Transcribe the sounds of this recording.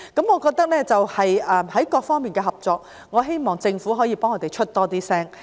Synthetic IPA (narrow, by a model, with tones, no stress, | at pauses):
kɐ˨˥mŋɔː˨˧kɔː˧k̚t̪ɐ˥k̚lɛː˥t͡sɐ˨whɐ˨jʔɛː˨mhɐ˨˥jkɔː˧k̚fɔː˥ŋmiː˨˩nkɛː˧ɦɐ˨p̚t͡sɔː˧k̚ | ŋɔː˨˧ɦe˥jmɔː˨ŋt͡sɪ˧ŋfu˨˥ɦɔː˨˥jiː˨˧pɔː˥ŋɔː˨˧t̪e˨˩jt͡ʃʰɵ˥t̚t̪ɔː˥t̪iː˥sɛː˥ŋ